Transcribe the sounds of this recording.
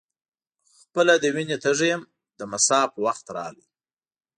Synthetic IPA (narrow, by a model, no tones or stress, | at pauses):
xpəlad̪əwinet̪əʐejm | d̪əmasɑpəwaxt̪ɾɑ̰lḭ